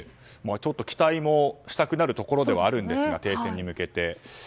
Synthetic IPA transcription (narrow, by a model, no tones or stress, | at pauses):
mat͡ɕo̞t̪ːo̞kʲi̥t̪aimo̞ɕi̥t̪akɯ̟naɾɯ̟t̪o̞ko̞ɾo̞d̪e̞βaːɾɯ̟̃nd̪e̞sɨɡa̰t̪e̞ːsẽ̞ɲ̟ːimɯ̟ke̞t̪e̞